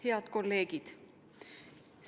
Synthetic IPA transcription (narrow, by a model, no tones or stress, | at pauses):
heɑd̪̥ko̞lːe̞ːɡ̥id̪̥ | s